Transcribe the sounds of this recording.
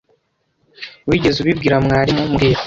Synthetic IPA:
wiːɟe̞zuβibɡiːɾamŋaːɾimumɡiːɾa

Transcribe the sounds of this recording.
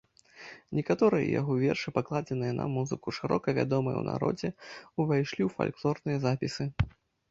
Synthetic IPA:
nʲɛkat̪ɔɾɨjɐ̰ja̰ɣɔvʲɛrʂɨpaklˠad͡zʲɐnɨjɐnɐ̰muzɨkuʂɨɾɔkɐvʲa̰d̪ɔmɨ̰j̰wna̰ɾɔ̰d͡zʲɛuvajʂlʲiwfa̰lʲklˠɔrnɨjɐzapʲisɨ

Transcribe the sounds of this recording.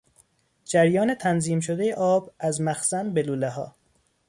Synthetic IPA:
d͡ʒæɾjɒːne̞t̪ʰænziːmʃod̪ejeʔɒːbæzmæxsænbeluːleɦɒ̰ː

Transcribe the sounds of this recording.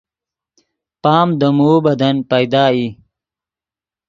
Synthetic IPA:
paːmd̪əmuːbɐd̪ɐnpɐjd̪aːi

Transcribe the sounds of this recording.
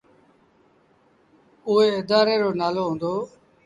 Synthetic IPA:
ʊeːɪd̪aːɾeːɾoːnaːloːɦõːnd̪oː

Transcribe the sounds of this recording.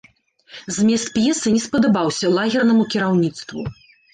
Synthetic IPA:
zʲmʲɛst̪pjɛsɨnʲɛspɐd̪ɐbawsʲɐlˠaɣʲɛrnɐmukʲiɾawnʲit̪st̪vṵ

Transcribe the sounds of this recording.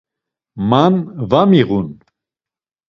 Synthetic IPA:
manvamiʁun

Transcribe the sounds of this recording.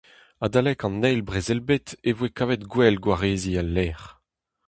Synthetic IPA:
adalɛkɑ̃nːɛjlbʁezɛlbet̪evwekavɛtɡwɛlɡwaʁeːzialːɛːʁ

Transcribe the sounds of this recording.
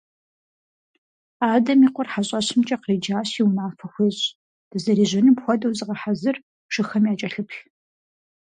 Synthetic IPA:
aːdɐmiːqʷɔrħaɕʼɐɕɪmt͡ʃʼɐqriːd͡ʒaːɕiwnaːfɐxʷeɕʼ | d̥ɨzɐɾiːʑɪnɨmpxʷɔdɐwzɨʁɐħazɨr | ʂɨxɐmjaːt͡ʃʼɐɬɨpɬ

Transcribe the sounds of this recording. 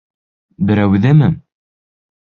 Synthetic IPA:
bɘ̆ɾæwðɘmɘ

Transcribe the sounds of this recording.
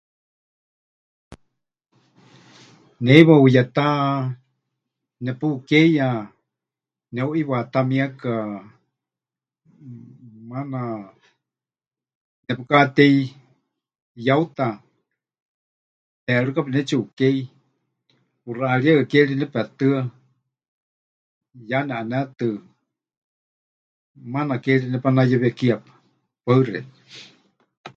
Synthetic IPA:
nɛiβaujat̪a | nɛpukɛja | nɛuʔiβat̪amĩaka | mana | nɛpukat̪ɛi | jaut̪a | ɛɺukapinɛt͡ʃuukei | puraʔaɺiaakɛɺinɛpɛt̪ɨa | janɛʔanɛt̪ɨ | manakɛɺinɛpanajaβiakiapḁ | paɨrɛ̰t̪

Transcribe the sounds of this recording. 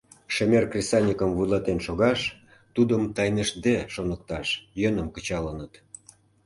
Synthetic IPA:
ʃemʲerkrʲesɑnʲikəmvujlˠɑt̪enʃoɣɑʃ | t̪ud̪əmt̪ɑjnəʃd̪eʃonə̆k̚t̪ɑʃjənə̆mkət͡ɕɑlənət̪

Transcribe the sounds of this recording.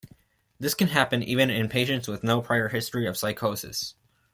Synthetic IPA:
ðɪskɨ̃nɦæpɨ̃nʔivɨ̃nɪ̃npʰeɪʃɨ̃ntswɨðnoʊpʰɹ̥aɪə˞hɪstɹ̥iʌv̥saɪkʰoʊsɨ̰s

